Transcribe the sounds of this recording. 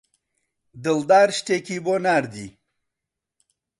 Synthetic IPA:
d̪əld̪aːɾɕʈekibonaːɾd̪ḭ

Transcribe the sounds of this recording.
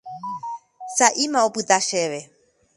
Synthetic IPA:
saʔimãopɨt̪aʃeʋe̞

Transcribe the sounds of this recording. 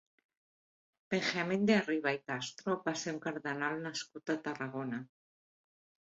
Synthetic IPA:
peŋxamẽnd̪eariβ̞aikast̪ɾopaseuŋkaɾðenalnaskut̪at̪araɣ̞ona

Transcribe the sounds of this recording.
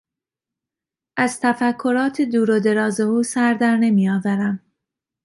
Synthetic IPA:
ʔæz̥t̪ʰæfækʰːoɾɒːt̪ʰed̪uːɾod̪e̞ɾɒːze̞uːsæɾd̪æɾne̞mijɒːvæɾæm

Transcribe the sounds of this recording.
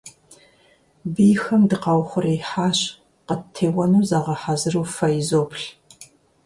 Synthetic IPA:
biːxɐmdɨqɑwχʷʊriːħaːɕ | qətʰːeːwɐnuːzaːʁɐħazɨruːfɐjzoːpɬ

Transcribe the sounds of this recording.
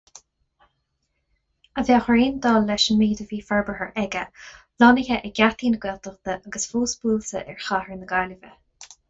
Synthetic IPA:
əvjaxɹeːnd̪ɑːlːɛʃənmeːd̪əviːfaɹbəɦəɹʔɛɡə | lɔnɪçəʔɛɡʲat̪iːnəɡɛlt̪əxd̪əʔaɡəsfuːsb̥uːltə̰ʔɛɹxahəɹənəɡaːlɪvə

